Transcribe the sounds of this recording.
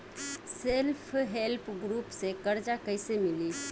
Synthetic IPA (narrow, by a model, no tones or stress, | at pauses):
selpʰɦelpɡɾupsekəɾd͡ʒakəjsemili